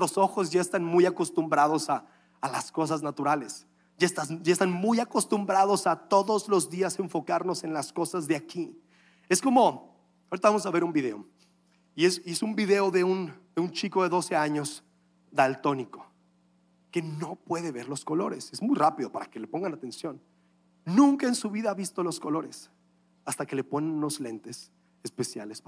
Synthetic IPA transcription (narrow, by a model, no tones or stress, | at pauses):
ɾoso̞xo̞zʝaest̪anmujako̞st̪umbɾað̞o̞saː | lasko̞s̬aznat̪uɾale̞s | ʝaest̪ad͡ʒaest̪anmujako̞st̪umbɾaðo̞sat̪o̞ðo̞zlo̞zðiase̞ɱfo̞kaɾno̞se̞nlasko̞sazðeaki | e̞sko̞mo̞ | aoɾit̪aβamosaβe̞ɾumbiðe̞̰o | iesie̞sumbiðe̞o̞ðe̞und̪eunt͡ʃiko̞ðeðo̞se̞aɲo̞z | ðalt̪o̞niko̞ | ke̞no̞pwe̞ðe̞βe̞ɾlo̞sko̞lo̞ɾesezmujrapiðo̞paɾake̞lepo̞ŋɡanat̪e̞nsjo̞nː | ũŋkaensuβiðaaβist̪o̞lo̞sko̞lo̞ɾe̞s | ast̪ake̞le̞po̞nenno̞zle̞nt̪e̞s | espe̞sja̰les